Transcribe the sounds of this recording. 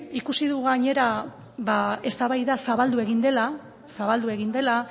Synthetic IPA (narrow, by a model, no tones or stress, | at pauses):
ikusiðuɣaɲe̞ɾa | βae̞st̪aβajðasaβald̪ue̞ɣind̪e̞la | saβald̪ue̞ɣ̞ind̪e̞la